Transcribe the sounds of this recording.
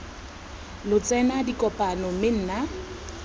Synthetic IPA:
lʊt͡sʼɛnadikʼɔpʼanɔmɪn̩ːna

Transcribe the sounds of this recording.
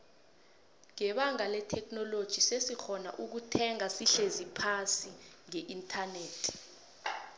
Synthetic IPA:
ŋɛɓaŋalɛtʰɛk̚ʰʼnɔlod̥ʒ̥ʱisesixɔna̰ʔuk̬utʰɛŋasiɬezipʰasi | ŋɛʔintʰaneːtʰi̥

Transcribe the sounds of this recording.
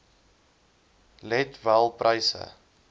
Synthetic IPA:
lɛtvælˠprʔəjsə̰

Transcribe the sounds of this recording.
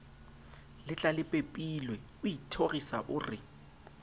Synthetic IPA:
lɪt͡ɬʼalɪpʼepʼilwɛ | ʊitʰoɣisaʔʊːrɪ

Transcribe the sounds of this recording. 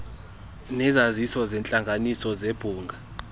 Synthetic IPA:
nɛzazisɔzɛnt͡ɬʼaŋɡʱanisɔzeb̥ʱuːŋɡʱa

